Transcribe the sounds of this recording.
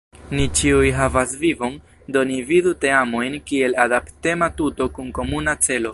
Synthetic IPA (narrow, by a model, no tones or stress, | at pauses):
nit͡ʃiujɦavasvivo̞n | do̞nividuteamo̞jnkie̞ladapte̞matuto̞kunko̞munat͡se̞lo̞